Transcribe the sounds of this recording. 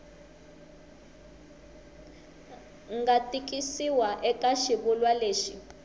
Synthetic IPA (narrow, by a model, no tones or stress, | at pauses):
ŋɡatik̬ʼisiwaʔɛkaʃiβulwaleːʃi